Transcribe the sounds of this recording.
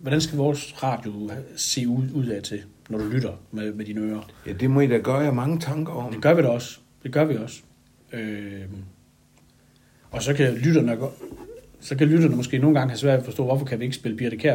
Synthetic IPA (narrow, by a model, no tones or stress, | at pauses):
ʋɒɾænsɡ̥æʋiɒːsʁɑ̰̈ːd̥jo̝se̝̰ːuð̰ˠɛt͡sʰe̝nɒɾ̥ulyɾ̥ɐmemed̥iːnəøːɐjæd̥e̝mɒid̥æɡ̥ɶɐjamɑ̈ŋət͡sʰɑŋɡ̥ɐɒmd̥e̝ɡ̥ɶɐʋiɾæɒ̽s | d̥e̝ɡ̥ɶɐʋiɒ̽s | ø | ɒ̽sɒ̽kʰælyɾ̥ɐnɡ̥ | sɒ̽kælyɾ̥ɐnəmɒ̽sɡ̥e̝̰ːno̝ːn̩ɡɑ̈ŋəɦæsʋæɐ̰dɒfɒ̽sd̥ɔ̰ːʋɒfɒ̽kʰæʋie̝ɡ̥əsb̥e̝ləb̥ʰiɐɾikʰeɐ